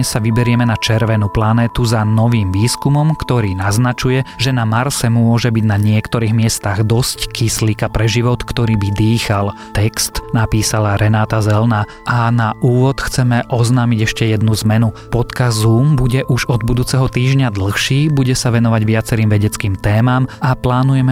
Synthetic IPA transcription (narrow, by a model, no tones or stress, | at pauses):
ɛsaʋibɛɾɪɛmɛnat͡ʃɛɾʋɛnuplanɛːt̪uzanɔʋiːmʋiːskumɔmkt̪ɔɾiːnaznat͡ʃujɛʒɛnamaɾsɛmʊɔʒɛbiɟnaɲɪɛkt̪ɔɾiːɣmɪɛst̪aɣd̪ɔsckisliːkapɾɛʒiʋɔt̪kt̪ɔɾiːbid̪iːxal | t̪ɛkst̪napiːsalaɾɛnaːt̪azɛlna | ʔanaʔuːʋɔt̪xt͡sɛmɛʔɔznaːmiɟɛʃcɛjɛd̪nuzmɛnupɔt̪kazuːmbuɟɛʔuʒɔd̪̚bud̪uːt͡sɛɦɔt̪iːʒɲad̪l̩xʃiːbuɟɛsaʋɛnɔʋaɟʋɪat͡sɛɾiːmʋɛɟɛt͡skiːmt̪ɛːmaːmaplaːnujɛmɛ